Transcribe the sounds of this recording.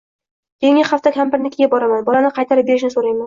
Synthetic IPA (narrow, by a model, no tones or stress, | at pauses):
kʲʰeŋɪχaft̪akʲʰampɪɾnɪkʲɡʲabɒɾamanbɒlanɪqʰɑjt̪ʰaɾɪp̚be̞ɾɪʃ̬nɪsoɾajman